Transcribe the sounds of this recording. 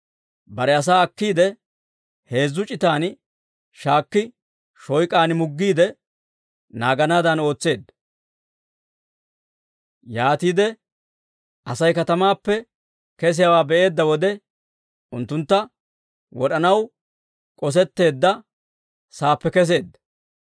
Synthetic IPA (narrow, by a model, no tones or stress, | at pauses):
bɐɾɛɐs̬aːɐkːiːd̪ɛ | he̞ːzːʊt͡ʃʼɪt̪aːn | ʃaːkːɪ | ʃɔjkʼaːnmʊɡːiːd̪ɛ | naːɡɐnaːd̪ɐno̞ːt͡sːe̞ːd̪ | jaːt̪iːd̪ɛ | ʔɐsɐjkɐt̪ɐmaːpːɛ | kɛs̬ɪjawaːbɛʔe̞ːd̪ːɐwɔd̪ɛ | ʊnt̪ːʊnt̪ːɐ | wɔɗɐnɐw | kʼɔs̬ɛt̪ːe̞ːd̪ːɐ | saːpːɛkɛs̬e̞ːd̪ːɐ